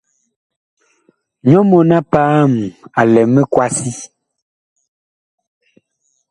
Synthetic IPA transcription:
ɲɔ˦mɔ˨na˦paː˦˨ma˨lɛ˨mɛ˦kwa˦si˦

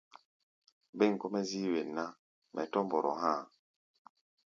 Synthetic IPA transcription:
be˦˨ŋ˨kɔ˦mɛ˦zi˦we˨nːa˦ | mʔɛ˨tɔ˦mbɔ˨ɾɔ̰˨ɦãː˦˨

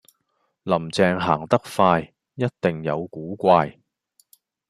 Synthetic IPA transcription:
lɐ˨˩mt͡sɛː˧ŋɦa̰ː˨˩ŋt̪ɐ˥k̚faː˧j | jɐ˥t̚t̪ɪ˨˩ŋjɐ˨˧wkuː˨˥kʷaː˧j

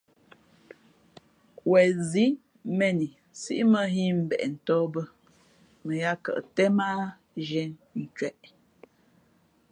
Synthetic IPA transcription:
wɛ˨zi˨˦ | mɛ˦˨ni˨ | sḭ˦ʔmə˦ɦi˦m̩˨bɛ̰˨ʔn̩˨tɔ˦bə˦ | mə˨ja˦kə̰˨ʔtɛ˦ma˦ | ʒɛ˨˦nn̩˨t͡ʃɥɛ˨ʔ

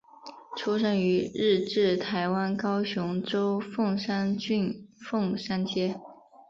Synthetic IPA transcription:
ʈ͡ʂʰu˥ʂə˥ny˧˥ɻ̩˥˧ʈ͡ʂɻ̩˥˩t̪ʰa˧˥ɪwa˥nkɑ˥ʊɕʊ˧˥ŋʈ͡ʂo˥ʊfʊ˥˩ŋʂa˥ny˥˧nfɤ˥˩ŋʂa˥nt͡ɕjɛ˥

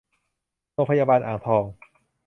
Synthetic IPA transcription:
ɾoː˧ŋpʰa˧jaː˧baː˧nʔaː˨˩ŋt̪ʰɔː˧ŋ

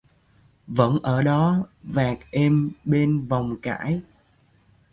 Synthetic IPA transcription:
və̰˧˥nʔəː˧˩ɗɔ˨˦vaː˨˩k̚ʔɛ˧mɓe˧nva˨˩wŋ͡mka̰ː˧˥˨j

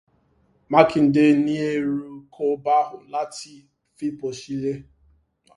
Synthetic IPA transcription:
ma˦kɪ˨n̩˨de˦ni˦e˦ɾu˦kʰo˦ba˦ɦʊ˨la˦ti˦ | fi˦po˨ʃi˦le˦

